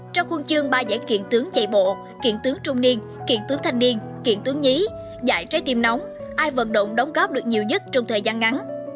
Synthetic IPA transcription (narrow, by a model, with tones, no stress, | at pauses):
t͡ɕɔ˧wŋ͡mxwə˧nt͡ɕɨ˧əŋɓaː˧za̰ː˧˩jkḭ˧˨ənt̪ɨ˨˦əŋt͡ɕə̰˧˨jɓo̰˧˨ | kḭ˧˨ənt̪ɨ˨˦əŋt͡ɕʊ˧ŋ͡mni˧ən | kḭ˧˩˨ənt̪ɨ˨˦əŋt̪ʰa˧jŋ̟ni˧ən | kḭ˧˩ənt̪ɨ˨˦əŋi˨˦ | za̰ː˧˩jt͡ɕə˨˦jt̪i˧˩mna˨˦wŋ͡mʔaː˧jvə̰˧˨nɗo̰˧˨ŋ͡mɗə˨˦wŋ͡mɣɔ˦˥p̚ɗɨ˨˩ək̚ɲi˨˩əwɲə˦˥t̚t͡ɕɔ˧ŋ͡mt̪ʰəː˨˩jzaː˧nŋa˨˦n